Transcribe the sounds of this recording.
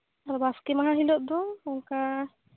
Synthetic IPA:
aɾbaskemaɦãɦilɔʔ̚d̪ɔɔŋka

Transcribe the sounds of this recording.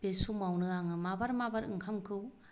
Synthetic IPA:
b̥esumawnɯaŋɯmabaɾmabaɾɯ̰ŋkʰamkʰɯw

